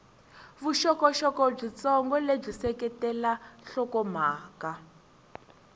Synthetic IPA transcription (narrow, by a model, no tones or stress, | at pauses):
βuʃɔkɔʃɔkɔb͡ʐit͡sɔŋɡɔleb͡ʐisɛkɛtɛlaɬɔkɔm̤aːka